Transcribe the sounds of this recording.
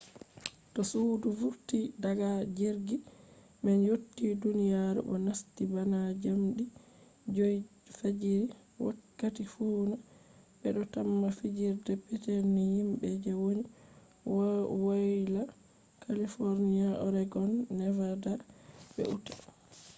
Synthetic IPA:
tɔsudufuɾtidaɡad͡ʒiɾɡi | mɛnjotːidunijaɾṵʔɔ̰nastibanad͡ʒamɗi | d͡ʒoj | fed͡ʒiɾi | wa̰kːatifuːna | bɛɗɔtamːafid͡ʒiɾdɛpɛtɛnːihimbɛd͡ʒɛwoni | wwojla | kalifoɾniaɔ̰ɾɛɡɔnːɛvadabɛ̰ʔutḁ

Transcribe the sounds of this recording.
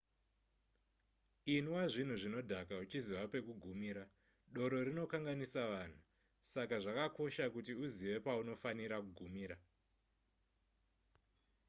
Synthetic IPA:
inwaʐin̤uʐino̞dʱakaut͡ʃiziʋape̞kuɡʱumiːɾa | ɗo̞ɾo̞ɾino̞kaŋɡanisaʋaːn̤u | sakaʐakako̞ʃakutiuziʋe̞pauno̞faniɾakuɡʱumiːɾa

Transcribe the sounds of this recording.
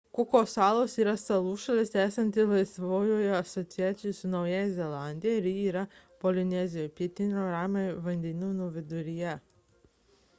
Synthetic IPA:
kʊkoːsɑːlˠoːsiːɾɐsɐlˠuːʃɐlʲɪst̪ʲæːsʲɐnʲt̪ʲɪlˠɐɪsʋoːjoːjɛɐsɔt̪sʲɪjæːt̪sʲɪjʊsʊnɒʊjɛjzʲɛlˠɑˑnʲd̪ʲɪjɛɪɾjiiːɾɐ | pɔlʲɪnʲɛzʲɪjopʲiɛt̪ʲɪnʲoːɾɑːmʲeʋɐnʲd̪ʲɛnʲuːnuːʋʲɪd̪ʊɾʲɪjɛ

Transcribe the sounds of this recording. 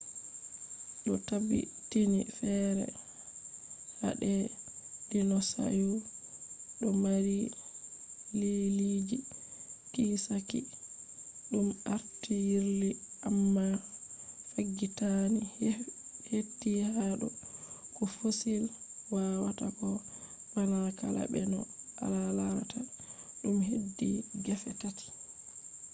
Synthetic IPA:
ɗɔtabḭtinifɛɾɛ̰ | ha̰ɗɛd̥inɔsa̰ju | ɗɔmaɾi | lilid͡ʒikisakḭ | ɗumaɾtijiɾliʔamːa | faɡːitani | hedːihaɗɔ̰kɔfosilwawatakɔ | walaka̰la̰bɛ̰nɔ̰a̰lalata | ɗumhedːiɡafɛtati̥

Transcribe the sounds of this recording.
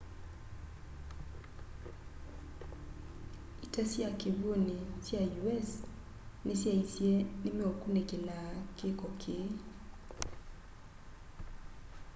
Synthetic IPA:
itasjakɪβwonisjajuɛs | nesjaisjenɪmiokunekɪlakɪkɔkʰɪ

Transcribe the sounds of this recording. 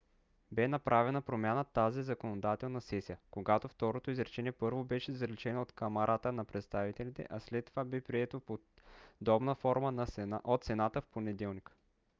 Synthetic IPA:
bɛnɐpɾʔavɛnəpɾomʲanət̪azizɐkonod̪at̪ɛlˠnɐsɛsijəkoɡat̪oft̪ɔɾot̪oizɾɛt͡ʃɛniɛpɤɾvobɛʃɛzɾɛt͡ʃɛnoot̪kɐmɐɾʔat̪ənɐpɾɛt̪st̪avit̪ɛlit̪ɛ̰ʔaslɛt̪ːovabɛpɾiɛt̪opo | d̪ɔbnəfɔɾmənʔot̪t̪sɛnat̪əfponɛd̪ɛlˠnikə̥

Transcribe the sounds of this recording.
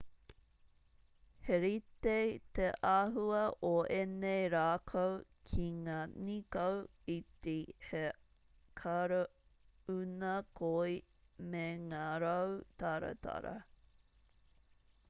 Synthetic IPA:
heɾit̪et̪eʔaɦuɐʔoʔenejɾaːkʰow | kʰiŋaːnikɐwit̪ehe | kʰaɾɐ | unɐkʰoi | meŋaːɾɐwt̪aɾɐ̰t̪ʰɐ̰ɾɐ̰

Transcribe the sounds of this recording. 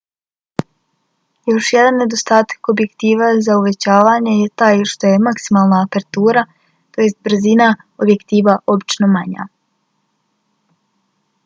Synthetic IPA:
jo̞ʃje̞d̪anːe̞d̪o̞st̪aːt̪ḁko̞bje̞kt̪iːʋazauʋe̞t͡ɕaːʋaɲejet̪aːjʃt̪o̞je̞maksimaːlˠnaːpeɾt̪uːɾa | t̪o̞je̞st̪̚bɾ̩zina | obje̞kt̪iːʋaʔo̞bit͡ʃno̞maɲa̰

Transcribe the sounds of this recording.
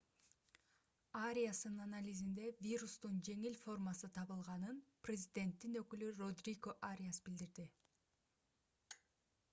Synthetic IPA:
aɾʲijasɯnnanalʲizind̪e̞vʲirust̪und͡ʒe̞ŋilʲfo̞rmasɯt̪ʰɑβɯlˠʁɑnɯnprʲɪzʲɪd̪ʲe̞nt̪ːinø̞kylyrod̪rʲiɡoʔaɾʲijasbild̪iɾd̪i

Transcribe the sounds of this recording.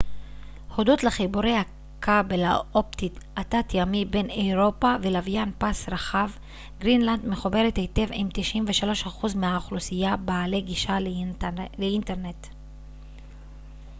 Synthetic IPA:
ho̞do̞tleχibuɾejha | kʰabelaʔop̚t̪itatatjamibe̞newʁo̞pavelavjanpasɾaχav | ɡʁinland̪me̞χube̞ʁet̪hete̞vimt̪iʃʔimveʃalo̞ʃhaχuzmeaːχlusijabaːle̞ɡiʃa | leinteʁne̞t

